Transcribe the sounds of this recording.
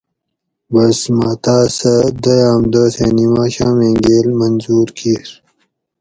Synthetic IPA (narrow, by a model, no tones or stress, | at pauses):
bɐsmaːt̪aːsɐd̪ɐjaːmd̪əːsʰenimaːɕãːmeːŋɡeːlmɐnzuːɾkʰiɾ